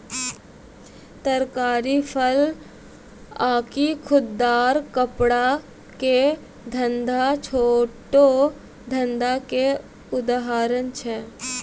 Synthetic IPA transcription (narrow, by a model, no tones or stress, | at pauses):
t̪əɾkaːɾipʰəl | aːkikʰʊd̪ːaːɾkəpɽa | ke | d̪ʱə̃nd̪at͡ʃʰoːʈo | d̪ʱə̃nd̪ake | ʊd̪aɦaːɾənt͡ʃʰɛ